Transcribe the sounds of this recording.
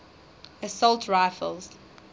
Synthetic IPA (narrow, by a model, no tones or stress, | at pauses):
əsɔlˠtʰɹaɪfə̰lˠz̥